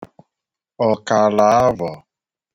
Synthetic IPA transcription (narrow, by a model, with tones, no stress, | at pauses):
ɔ˨ka˨la˨˦a˦vɔ˨